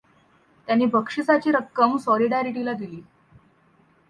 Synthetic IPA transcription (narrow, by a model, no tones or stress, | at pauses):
t̪janːiːbʱəkʂisat͡ɕiːɾəkːəmsɔliɽaɾiʈilad̪iliː